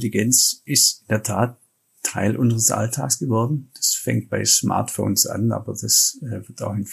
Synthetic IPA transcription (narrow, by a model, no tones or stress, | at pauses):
eliɡɛnt͡sɪstɪndeːɐtʰaːtʰː | aɪlʔʊnzəʁ̞əsʔa̰ltʰaːksɡ̥əvɔɐdn̩d̥ḁsfɛ̰ŋkt̚b̥aɪsmʔa̰ɐtfo̰ːnsa̰na̰ːbɐd̥asɛːvɪɐtaʊxɪnf